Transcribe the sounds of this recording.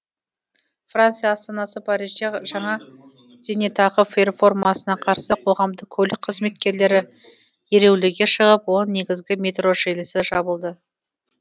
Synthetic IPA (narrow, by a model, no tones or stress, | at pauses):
frant̪sɨjaːst̪ɑnɑsəpʰɑɾit͡ʃeʒɑɴɑ | d̪ʲenet̪ɑʁəferfo̞rmɑsənɑqʰɑɾsəqʰo̞ʁɑmd̪əkʲʰɵlɪk̚ʲqʰəzme̞t̪kʲe̞ɾle̞ɾɪ | e̞ɾe̞wlɪɡʲe̞ʃəʁəpwonːe̞ɡʲɪzɡʲɪmʲe̞t̪roʒelɪsɪʒɑbəlˠd̪ə